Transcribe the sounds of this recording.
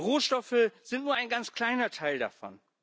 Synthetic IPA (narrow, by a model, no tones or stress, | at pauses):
ʁoːʃtɔfəz̥ɪntnuːɐaɪnɡant͡skʰl̥aɪnɐtʰaɪlda̰fɔ̰n